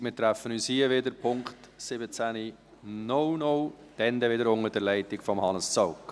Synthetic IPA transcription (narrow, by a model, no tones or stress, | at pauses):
mɪːt̪ɾæfənyːshiəvɪdəɾpʰʊŋktsɪbət͡sæni | nɔwnɔw | d̥ɛnd̪ɛvɪdəɾʊŋədɛɾlɛɪtɪkfɔmhɑnəst͡sɔʊk